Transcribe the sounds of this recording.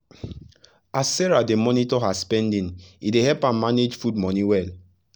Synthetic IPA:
assɛɹademɔnitɔɦaspɛ̃ndĩnidehɛlpãmːaned͡ʒfud̚mɔniwɛl

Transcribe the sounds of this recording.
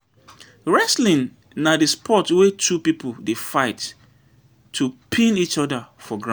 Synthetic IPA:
ɹɛslĩn | nadispʰɔtwetʰupipʰʊldefaɪtːʰ | upʰĩnit͡ʃɔdəfɔɡɹã

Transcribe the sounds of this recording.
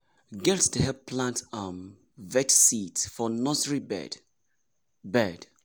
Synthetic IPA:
ɡɛltdəhɛpʰlãntam | vɛtsitfɔnɔsɹibɛ̰d | bɛd

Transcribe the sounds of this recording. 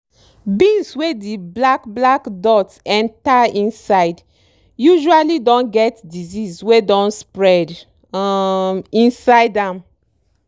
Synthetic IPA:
bĩnswediblakblakdɔtsɛ̃ntaĩnsaɪd | juʒualidɔ̃nɡɛtdizizswedɔ̃nspɹɛd | ĩnsaɪdãm

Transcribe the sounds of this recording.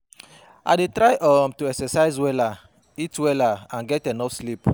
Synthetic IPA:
a̰detɾaɪʔɔmtuɛksɛsaɪzwɛla | itwɛlaãnɡɛtɛnɔfslip

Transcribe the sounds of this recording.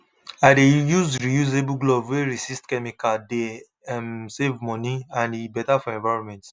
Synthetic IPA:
adejuzɹijuzebuɡlobweɹisistkɛmikade | ɛmsevmɔ̃niãnibɛtafɔɛ̃ɱvaɪɹɔ̃nmɛ̃nt

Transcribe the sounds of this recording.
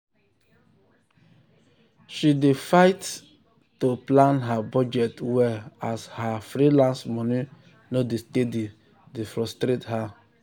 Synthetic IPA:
ʃidefaɪtː | oplãnɦabɔd͡ʒɛtwɛashafɾilãnsmɔni | nodestedi | defɾɔstɾetha

